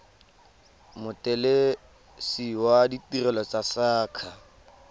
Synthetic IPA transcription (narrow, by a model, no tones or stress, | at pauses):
mʊtʼɛle | siwaditirɛlɔt͡sasaːkʰa